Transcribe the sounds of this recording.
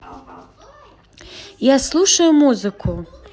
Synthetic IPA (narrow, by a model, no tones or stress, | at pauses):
jaslˠuʂɐjumuzɨkʰu